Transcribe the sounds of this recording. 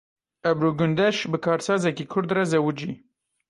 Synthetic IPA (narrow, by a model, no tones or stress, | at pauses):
ɛbɾuːɡʊnd̪ɛʃbɨkʰɑːɾsɑːzɛkikʰʊɾd̪razɛwud͡ʒḭː